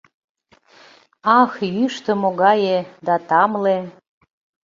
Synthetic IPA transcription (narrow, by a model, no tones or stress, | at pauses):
ɑxjyʃt̪ə̆moɣɑjed̪ɑt̪ɑmle